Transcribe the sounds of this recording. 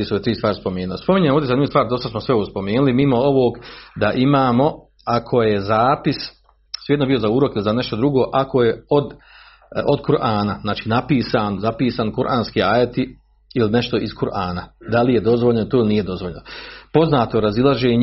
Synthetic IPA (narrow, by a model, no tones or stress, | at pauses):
isoʋet̪ɾiːst̪ʋaːɾispo̞meːnulospo̞miɲenmoʋd̪esaniust̪ʋaːɾd̪ost̪asmosʋeoʋoɡspo̞meːnulimimo̞oʋoːɡd̪aʔimaːmo̞ | akʰo̞jezaːpis | sːjed̪nobio̞zauːɾo̞kilizane̞ʃt̪o̞d̪ɾuɡoːʔakʰo̞jeod̪ | od̪kuɾʔaːnaznaːt͡ʃiːnapiːsaːnzapiːsaːnkuɾʔaːnskiaːjet̪i | iline̞ʃt̪o̞ʔiskuɾʔaːnad̪alije̞d̪o̞zʋoʎnot̪oːlinije̞d̪o̞zʋoʎnopo̞znaːt̪oɾazilˠaʒeːɲ